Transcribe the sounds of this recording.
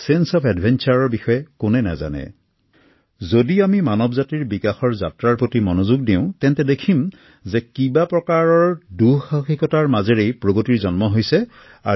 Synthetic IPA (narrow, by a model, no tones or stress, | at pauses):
sensɔpɛdbʱɛnt͡ʃaɹɔɹbixɔjɛkʊnɛna̰za̰nɛ̰ | zodiamimanɔbzatiɹbikaxɔɹza̰tɹaɹpotimɔnozuɡ̚diʊ̃tɛntɛdekʰim | zɛkibapɹɔkaɹɔɹduxaxikɔtaɹmazeɹejpɹoɡotiɹzɔnmɔɦojsɛ | a